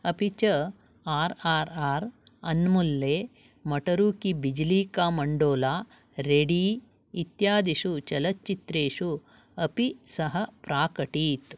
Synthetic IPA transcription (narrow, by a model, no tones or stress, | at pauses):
ɐpit͡ʃɐ | aːɾaːɾaːɾɐ̰nmulːeː | mɐʈɐɾuːkibid͡ʒliːkaːmɐɳɖoːlaː | ɾeɽiː | t̪jaːd̪iʃut͡ʃɐlɐtːt͡ʃːit̪ɾeːʂu | ɐpisɐɦɐpɾaːkɐʈiːt̪